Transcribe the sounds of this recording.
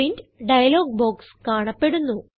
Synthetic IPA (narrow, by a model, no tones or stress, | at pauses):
indɖɐjɐlo̞ːɡ̚bo̞ːkskaːɳɐpːe̞ɽunːu